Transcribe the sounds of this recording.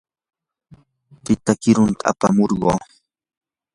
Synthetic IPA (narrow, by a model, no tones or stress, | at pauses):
pɪt̪akɪɾʊnt̪ʰaa̰pamoɾɢo̰ː